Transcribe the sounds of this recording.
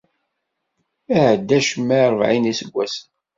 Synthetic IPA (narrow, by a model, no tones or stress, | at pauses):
æʕd̪ːæʃmːæɾˤəvʕinisəɡʷːæsən